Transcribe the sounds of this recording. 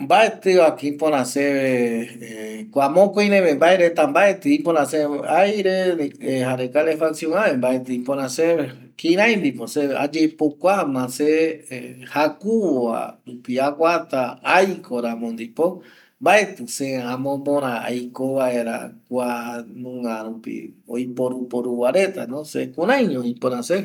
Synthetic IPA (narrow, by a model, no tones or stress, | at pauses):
mbaet̪ɨakĩpõɾ̃ãsee | kʷamõkoj̃ɾẽmẽmbaeɾet̪ambaet̪ɨĩpoɾãseajɾenehaɾekalefaksijõãβembaet̪ɨĩpõɾ̃ãseβe | kĩɾ̃ãj̃nd̪iposea̰d͡ʒepokʷamãse | hakuwa̰upiakʷat̪aajkʰoɾãmõnd̪ipo | mbae̞t̪ɨseãmõmõɾãa̰jkoβaeɾa̰kʷanũŋãɾupḭojpoɾupoɾuwaɾe̞t̪anõsekũɾãjɲõĩpoɾãse